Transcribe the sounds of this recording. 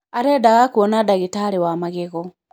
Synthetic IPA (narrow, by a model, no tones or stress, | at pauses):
aɾɛdaɣakuɔnadaɣitaɾewamaɣeɣɔ